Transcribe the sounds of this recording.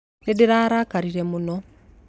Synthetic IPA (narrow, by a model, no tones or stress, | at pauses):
ɾedeɾaːɾakaɾiɾɛmunɔ